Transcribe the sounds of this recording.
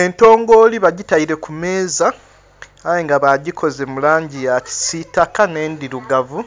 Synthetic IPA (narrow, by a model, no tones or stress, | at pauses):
ento̞ːŋɡo̞liβaɟitaiɾe̞kume̞ːzaː | jeŋɡaβaɟikʰo̞ze̞mulaːɲɟijati̥sitakane̞ːndiɾuɡavu